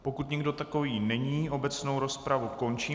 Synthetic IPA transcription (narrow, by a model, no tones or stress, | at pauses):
po̞kut̪ɲɛɡdo̞t̪ako̞viːnɛɲiːʔo̞bɛt͡sno̞wɾo̞spɾavuko̞nt͡ʃiː